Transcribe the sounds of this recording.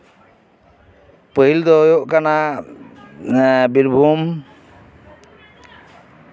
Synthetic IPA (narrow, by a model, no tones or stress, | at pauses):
pəɦild̪ɔjoʔkana | biɾbʱum